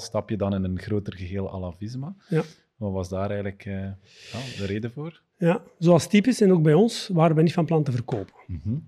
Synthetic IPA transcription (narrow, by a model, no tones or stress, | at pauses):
stɑpjədɑnɪnənɣroːtərɣəɦeːlˠa̰lavɪzmaja | ʋɑʋɑzdaːɾɛjɣələkə | jadəɾeːdəvoːr | jazoːɑlˠstipɪsɛnoːɡ̚bɛjɔnsʋaːɾʋɛjnitfɑnplɑntəvərkoːpənɦ̩